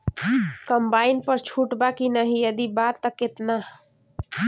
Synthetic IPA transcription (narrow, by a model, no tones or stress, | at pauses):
kəmbaːinpəɾt͡ʃʰuʈbakinəɦijəd̪ibat̪ːəkɪt̪na